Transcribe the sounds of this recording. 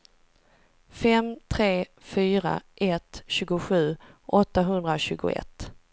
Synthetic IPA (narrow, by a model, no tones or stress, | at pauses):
fɛmt̪ʰɾeːfyːɾa̰ʔɛt̪ɕʉ̟ːɡʊɧʉ̟ːʔɔt̪ːaɦɵnd̪ɾaɕʉ̟ːɡʊ̰ɛ̰t̪ː